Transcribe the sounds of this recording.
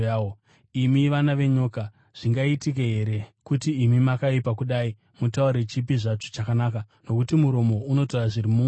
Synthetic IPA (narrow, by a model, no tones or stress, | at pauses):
o | imiʋanaʋe̞ɲo̞ka | ʐ̥iŋɡaitik̬eɦe̞ɾe̞kutiːmimakaipakuɗai | mutaurɾet͡ʃip̬iʐat͡ʃo̥t͡ʃakanaka | no̞kutimuɾo̞mo̞uno̞taraʐirimuŋ